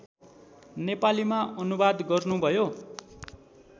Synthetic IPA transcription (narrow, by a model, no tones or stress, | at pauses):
nepalimaʔʌnubad̪ɡʌrnubʱʌjo